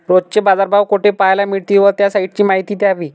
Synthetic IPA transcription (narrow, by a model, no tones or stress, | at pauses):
ɾodt͡ɕebad͡zaɾbʱaʋkoʈepajlamiɽt̪iːʋət̪jasaiʈt͡ɕiːmaɦit̪iːt̪eaʋiː